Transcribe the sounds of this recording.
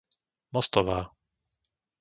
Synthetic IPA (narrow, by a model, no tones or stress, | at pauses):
mɔst̪ɔʋaː